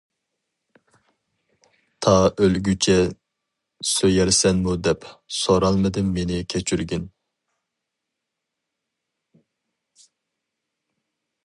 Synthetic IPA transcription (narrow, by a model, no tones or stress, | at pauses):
t̪ʰɑʔølɡʲyt͡ʃʰɛ | søjɛɾsɛnmud̪ɛpsoɾɑlˠmɨd̪ɨmːenɪkʲʰɛt͡ʃʰyɾɡʲyn